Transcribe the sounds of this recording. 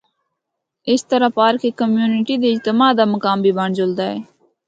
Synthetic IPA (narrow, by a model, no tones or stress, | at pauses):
ɪst̪əɾaːpaːɾkeːkəmjuːnɪʈiːd̪eːɪd͡ʒt̪əmaːd̪aːməkaːmbʱiːbaːɳd͡ʒʊld̪aːeː